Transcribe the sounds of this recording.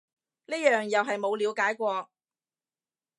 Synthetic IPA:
niː˥jœː˨ŋjɐ˨wɦɐ˨jmo˨˧wliː˨˧wkaː˨˥jkʷɔː˧k̚

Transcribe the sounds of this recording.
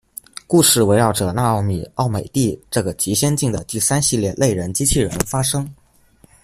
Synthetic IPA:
ku˥˧ʂɻ̩˥˩we˧˥ɪɻɑ˥˩ʊʈ͡ʂɤ˨˩na˥˧ɑ˥˧ʊmi˥˩ɑ˥˩ʊme˨˩ɪt̪i˥˧ʈ͡ʂɤ˥˩ɡə˩t͡ɕi˧˥ɕjɛ˥nt͡ɕi˥˩ŋd̪ə˩t̪i˥˩sa˥nɕi˥˧ljɛ˥˧lʔe˥˩ɪɻə˧˥nt͡ɕi˥t͡ɕʰi˥˩ɻə̰˧˥nfa˥ʂɤ˥ŋ

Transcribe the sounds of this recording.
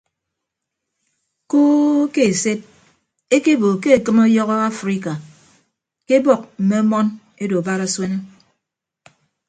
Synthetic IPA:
ko˦ke˨se˦t̚ | e˦ke˦bo˨ke˦e˨kɨ˦mo˦jɔ˦ɣɔ˦a˦fɾi˦ka˨ | ke˦bɔ˦˨k̚m̩˨me˦mɔ˦n | e˦do˨ba˦ɾa˦swe˦ne˦

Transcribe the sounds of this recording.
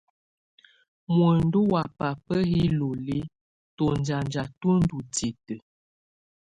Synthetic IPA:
mwə˨n˦du˦wa˨pa˨pə˦hi˦lo˨li˦ | to˨n˨d͡ʒa˨nd͡ʒa˨tu˦n̩˦du˨ti˨tə˨

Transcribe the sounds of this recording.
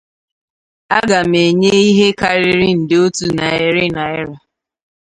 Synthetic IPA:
a˦ɡa˨m̩e˨ɲe˦i˦ɦe˦ka˨ɾɪ˦ɾɪ˦n̩˨dɪ˦o˦tu˨na˨ɪ˦ɾɪ˦na˨ɪ˦ɾa˨

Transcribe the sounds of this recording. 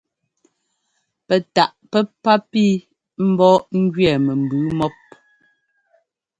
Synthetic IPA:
pɛ˨ta˨ʔpɛ˦pːa˦pi˦ | m̩˦bɔː˦ŋ̩˦ɡɥɛ˨mɛ˨m̩˨bʉː˨˦mɔ˦p̚

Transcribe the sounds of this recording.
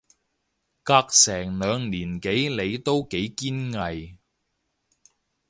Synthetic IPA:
kaː˧k̚sɛː˨˩ŋlœː˨˧ŋliː˨˩nke˨˥jle˨˧jt̪o˥wke˨˥jkiː˥nŋɐ˨j

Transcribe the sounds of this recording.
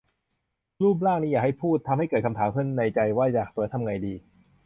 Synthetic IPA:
luː˥˩p̬̚laː˥˩ŋniː˦˥jaː˨˩ha˥˩jpʰuː˥˩t̪ʰːa˧mha˥˩jkɤː˨˩kʰa˧mt̪ʰaː˩˦mkʰɯ˥˩˨nːa˧jt͡ɕa˧jwaː˥˩jaː˨˩k̚su˨˩˦jt̪ʰa˧mŋa˧jdiː˧

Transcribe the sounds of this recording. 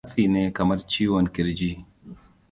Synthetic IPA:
sʼiː˨neː˦kɐ˨mɐ˦rt͡ʃiː˦wɔ˨ŋkʲɪ˦ɾd͡ʒiː˦

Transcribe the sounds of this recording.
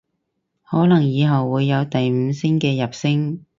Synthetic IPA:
hɔː˨˥lɐ˨˩ŋjiː˨˧ɦɐ˨wːuː˨˧jːɐ˨˧wt̪ɐ˨jm̩ː˨˧sɪ˥ŋkɛː˧jɐ˨p̚sɪ˥ŋ

